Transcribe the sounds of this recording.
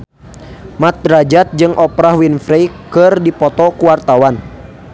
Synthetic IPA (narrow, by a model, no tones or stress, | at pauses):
mat̪̚ɾad͡ʒat̪̚d͡ʒɨŋʔɔpɾahwinfɾɛjkɨrdipɔt̪ɔkuwart̪awan